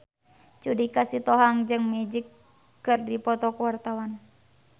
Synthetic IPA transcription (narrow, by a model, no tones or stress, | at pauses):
t͡ʃudikasit̪ɔɦaŋd͡ʒɨŋmɛd͡ʒikː | ɨrdipɔt̪ɔkuwart̪awan